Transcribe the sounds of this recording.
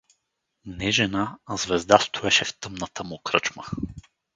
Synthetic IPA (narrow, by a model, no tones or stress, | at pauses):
nɛʒɛnazvɛzd̪ast̪ʰʊɛʃɛft̪ɤmnət̪əmʊkɾɤt͡ʃmə